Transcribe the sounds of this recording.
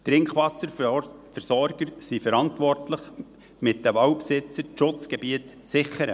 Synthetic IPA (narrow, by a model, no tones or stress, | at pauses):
t̪ɾɪŋkχʋɑsə | fəɾsɔɾɡ̥əɾsifəɾɑntʋɔrtləχ | mɪt̚d̥əvɑwpsɪt͡səʃʊt͡sɡ̥ɛbiətː | t͡sɪχəɾə